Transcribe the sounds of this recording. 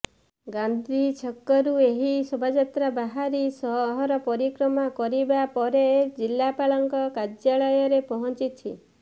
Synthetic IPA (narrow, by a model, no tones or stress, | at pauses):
ɡand̪ʱit͡ʃʰɔkːɔɾueɦisɔbʱad͡ʒɔt̪ɾabaɦaɾisɔɦɦɔɾɔpɔɾikɾɔmakɔɾibapɔɾed͡ʒilːapaɭɔŋkɔkad͡ʒjaɭɔjɔɾepɔɦɔnt͡ʃit̪ʰi